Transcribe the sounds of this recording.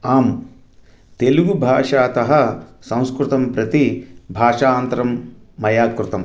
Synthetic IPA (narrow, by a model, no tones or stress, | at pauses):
aːm | t̪eluɡubʱaːʂaːt̪ɐɦɐsɐ̃w̃skɾut̪ɐmpɾɐt̪ibʱaːʂaːnt̪ɾɐmːɐjaːt̪̚kɾɪt̪ɐm